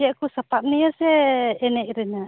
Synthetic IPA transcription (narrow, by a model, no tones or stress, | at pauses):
akusapaʔ̚niasɛːnɛʔɾina